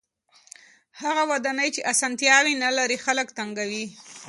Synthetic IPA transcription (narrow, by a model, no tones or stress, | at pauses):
haɣawad̪anəjt͡ʃeʔasɑnt̪jɑwinalaɾixaləkt̪aŋɡawi